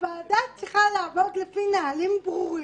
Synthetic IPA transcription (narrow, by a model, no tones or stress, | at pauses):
vaːd̪at͡siχalaːvod̪lefinalimbʁuʁi